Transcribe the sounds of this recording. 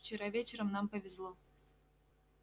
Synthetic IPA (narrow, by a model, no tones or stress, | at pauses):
ft͡ɕɪɾavʲet͡ɕɪɾəmnampəvʲɪzlˠo